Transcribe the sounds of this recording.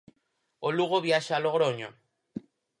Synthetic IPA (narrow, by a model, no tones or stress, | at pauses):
oluɣoβiaʃaloɣɾooɲo